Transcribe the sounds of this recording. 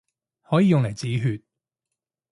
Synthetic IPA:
hɔː˨˥jiː˧jʊ˨ŋlɐ˨˩jt͡siː˨˥ɦyː˨˧t̚

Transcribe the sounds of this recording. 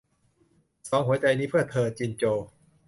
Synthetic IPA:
sɔː˩˦ŋɦu˦ɐt͡ɕa˧jniː˦˥pʰɯ˥˩ət̪ʰːɤː˧t͡ɕi˧nt͡ɕoː˧

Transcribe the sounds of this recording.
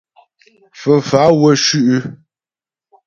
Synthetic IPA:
fə˨fa˨˦wə˦ʃʉ˦ʔʉ˦

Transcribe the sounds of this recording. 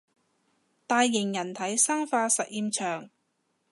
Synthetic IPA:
t̪aː˧jːɪ˨˩ŋjɐ˨˩nt̪ʰɐ˨˥jsaː˥ŋfaː˧sɐ˨t̚jiː˧mt͡ʃʰœː˨˩ŋ

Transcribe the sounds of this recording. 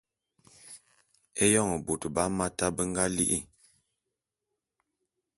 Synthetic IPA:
e˦jɔ˦˨ŋə˨bo˨tba˦ma˦ta˦bə˦ŋɡa˦li˦ʔḭ˦˨

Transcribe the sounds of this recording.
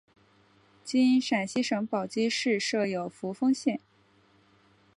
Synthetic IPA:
t͡ɕi˥i˧˥nʂa˨˩nɕi˥ʂɤ˧˥ŋpɑ˨˩ʊt͡ɕi˥ʂɻ̩˥˧ʂɤ˥˩jo˨˩ʊfu˧˥fɤ˥ŋɕjɛ˥˩n

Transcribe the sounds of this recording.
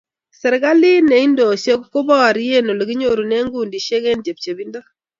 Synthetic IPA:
sɛ˨ɾɡa˦li˦nɛ˨i˦ndo˨ʃe˦kko˦bɔ˦˨ɾi˦je˦no˨lɡi˦ɲo˦˨ɾu˨ne˦ŋɡu˦ndi˨ʃe˦ɡe˦nd͡ʒe˨p̚t͡ʃe˨bi˦ndo˦

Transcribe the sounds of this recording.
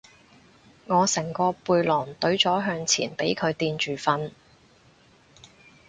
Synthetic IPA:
ŋɔː˨˧sɛ˨˩ŋkɔː˧puː˧jlɔː˨˩ŋt̪ɵ˨˥ɥt͡sɔː˨˥ɦœː˧ŋt͡sʰḭː˨˩npe˨˥jkʰɵ˨˧ɥt̪iː˧nt͡ʃyː˨˩fɐ˧n

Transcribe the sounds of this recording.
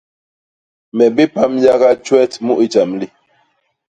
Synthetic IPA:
mɛ˨bi˦pa˦mja˦ɣa˦t͡ʃwɛ˦tmu˦ʔi˨t͡ʃa˨mli˦

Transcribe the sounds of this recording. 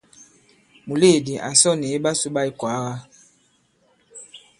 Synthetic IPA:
mu˨le˦˨di˨ʔa˨sɔ˦˨ni˨e˦ɓa˦su˦ɓa˦i˨kwa˨˦ɣa˦

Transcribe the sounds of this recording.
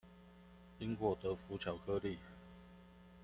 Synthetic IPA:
t͡ɕi˥ŋkwɔ˥˨˩t̪ɤ˨˦fu˨˥t͡ɕʰjɑ˨˥ʊkʰɤ˥li˥˨

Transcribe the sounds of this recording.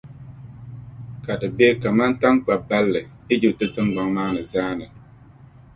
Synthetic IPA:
ka˨dɨ˨be˦ka˨ma˦nta˦ŋk͡pa˨ba˦lːɨ˨ɪ˦d͡ʒi˨p̚tɨ˦tɨ˦ŋɡ͡ba˨ŋmaː˦nɨ˨zaː˦nɨ˨

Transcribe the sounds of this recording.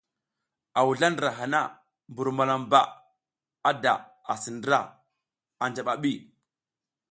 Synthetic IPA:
a˨wu˨ɮa˦ndɾa˨ɦa˨na˦ | mbu˨ɾma˨la˨mba̰˦˨ | a˦da˨ | a˨si˨ndɾa̰˦˨ | a˨nd͡ʒa˨ɓa˨ɓi˦˨

